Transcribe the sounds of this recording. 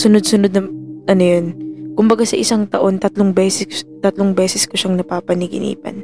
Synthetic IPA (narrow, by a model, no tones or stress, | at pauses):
sʊnod̪̚sʊnod̪̚nɐʔɐnojonkʊmbɐɡasɐʔɪsaŋt̪ɐʔo̞nt̪ɐt̪loŋbɛːsɛt̪ɐt̪loŋbɛːsɛskʊʃɐŋnɐpaːpɐnɪɡɪ̰nḭːpɐ̰n